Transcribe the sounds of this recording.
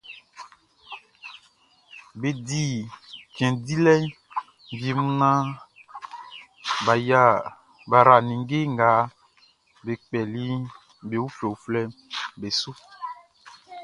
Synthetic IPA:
be˨di˦˨kɛ̃˨di˦lɛ˦ | vi˨mũ˦nã˦ | ba˨ja˦ | ba˨ɾa˨nĩ˨ŋ˦ɡe˦ŋ˨ɡa˨˦ | be˨k͡pɛ˨li˦ | be˨wu˦fɛ˨u˨flɛ˦mbe˨su˦

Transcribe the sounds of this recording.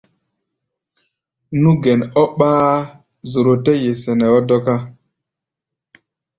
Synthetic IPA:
nu˦ɡɛ˨nɔ˦ɓaː˦ | zo˨ɾo˨tɛ˦je˨sɛ˨nɛ˨ɔ˦dɔ˦ka˦

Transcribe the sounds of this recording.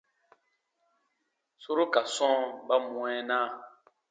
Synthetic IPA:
so˦ɾo˦ka˨sɔ̃˦ba˦mũ˨ɛ˦nãː˦˨

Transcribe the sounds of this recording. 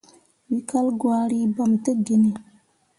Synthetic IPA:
wi˨kʰa˦lɡwa˨ɽi˦ba˨mt̪ə˦ɡi˨ni˨

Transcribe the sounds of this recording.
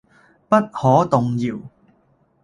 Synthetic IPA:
pɐ˥t̚hɔː˨˥t̪ʊ˨ŋjiː˨˩w

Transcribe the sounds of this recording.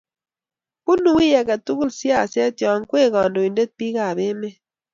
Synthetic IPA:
ku˦nu˨wi˦ja˨ka˨tu˦ku˦lsi˦a˦˨sa˦t͡ʃɔ˨˦ŋkwe˦˨kɔ˨ndo˨i˨nde˦t̚pi˦ka˨βe˦me˦

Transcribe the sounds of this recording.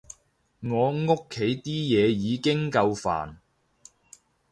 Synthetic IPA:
ŋɔː˨˧ŋo˥kʰːe˨˥jt̪iː˥jɛː˨˧jiː˨˧kɪ˥ŋkɐ˧wfa̰ː˨˩n

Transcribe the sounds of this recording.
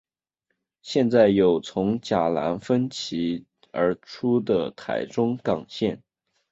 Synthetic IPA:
ɕjɛ˥˧nt͡sa˥˩ɪjo˨˩ʊt͡sʰʊ˧˥ŋt͡ɕja˨˩la̰˧˥nfə˥nt͡ɕʰi˧˥ | ə˞˧˥ʈ͡ʂʰu˥d̪ə˨t̪ʰa̰˧˥ɪʈ͡ʂʊ˥ŋkɑ˨˩ŋɕjɛ˥˩n

